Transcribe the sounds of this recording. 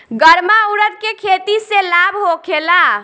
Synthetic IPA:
ɡəɾmauɾət̪̚kekʰet̪iselabɦokʰela

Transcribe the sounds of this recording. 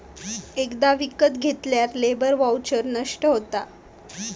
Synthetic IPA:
ekd̪aʋikət̪ɡʱet̪ljat̪lebəɾʋawt͡ɕəɾnəʂʈəɦot̪a

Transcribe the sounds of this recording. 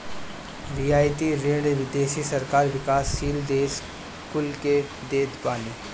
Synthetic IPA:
ʋiaːjt̪iɾeːɽʋɪd̪eːʃisɐɾkaːɾʋɪkaːsːiːld̪eːs | kʊlke | d̪eːd̪paːniː

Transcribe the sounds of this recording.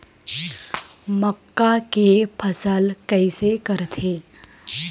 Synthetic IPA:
məkːakepʰəsəlkəɪsekəɾt̪ʰe

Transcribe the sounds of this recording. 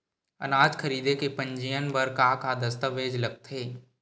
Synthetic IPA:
ɐ̰naːd͡ʒkʰɐɾiːd̪ekepɐ̃ɲd͡ʒijənbəɾkakad̪ɐst̪əʋeːd͡ʒlɐɡ̚t̪ʰeː

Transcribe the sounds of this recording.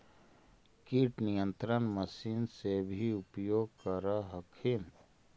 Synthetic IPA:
kiʈnijə̃nt̪ɾənməsiːnsebʱiʊpjoːɡ̚kəɾaɦəkʰim

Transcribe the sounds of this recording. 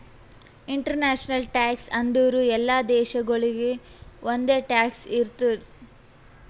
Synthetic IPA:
iɳʈɐɾnaːʃɐnɐlʈaːksɐnd̪uʋɾuɛlːaːd̪ɛːʃɐɡɐɭiɡe | ʔond̪e̞ːʈaːksiɾt̪ud̪

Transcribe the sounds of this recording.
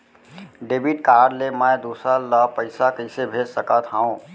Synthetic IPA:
ɖeːbʱiʈkaːɾɖlemɛ̃d̪uːsɾaləpəɪsakəɪsebʱeːd͡ʒsəkət̪ʰɦaːũ

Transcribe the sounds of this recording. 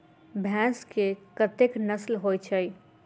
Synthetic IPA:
bʱɛ̃ːskepɾət̪eknəslɦoːit͡ʃʰəi

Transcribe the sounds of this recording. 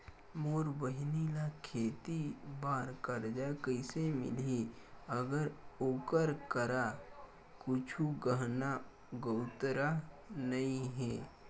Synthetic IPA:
moːɾbəɦnilakʰeːt̪ibaːɾkəɾd͡ʒakəɪsemɪ̰li | əɡəɾoːkəɾkəɾa | kʊt͡ʃʰuɡəɦna | ɡəʊt̪ɾa | nɐĩɦɛː

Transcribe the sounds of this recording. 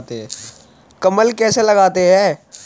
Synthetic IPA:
t̪eɦɛ̃ | kɐməlkɛːselɐɡaːt̪eɦɛ̃ː

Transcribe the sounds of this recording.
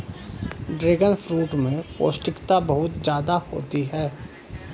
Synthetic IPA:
ɖɾeːɡənfʰɾuːʈmẽpo̰ːsʈɪkt̪abɐɦʊt̪d͡ʒjaːd̪aho̰ːt̪iɦɛː

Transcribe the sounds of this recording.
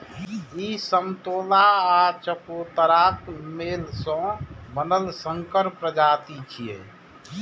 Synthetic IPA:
isəmt̪olaat͡ʃəpot̪əɾakmelsə̃bənəlsəŋkəɾpɾəd͡ʒat̪it͡ʃʰijḛ

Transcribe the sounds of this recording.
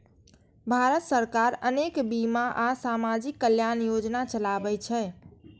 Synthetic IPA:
bʱaɾət̪səɾkaɾənekbimaʔasamad͡ʒikːəljanjod͡ʒnat͡ʃəlabɛt͡ʃʰɛ

